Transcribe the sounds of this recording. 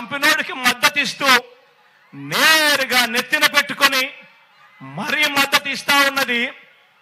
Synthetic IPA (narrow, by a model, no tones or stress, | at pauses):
mpinoːɽikimɐd̪ːɐt̪ist̪uː | neɾuɡaːnet̪ːinɐpe̞ʈːukuni | mɐɾiːmɐd̪ːɐt̪ist̪aːunːɐd̪i